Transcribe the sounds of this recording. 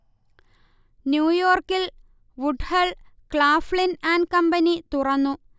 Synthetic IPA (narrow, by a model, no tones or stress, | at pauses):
njuːjo̞ːrkil | ʋuɖhɐɭkɭaːfɭinaːnkɐmbɐnit̪urɐnːu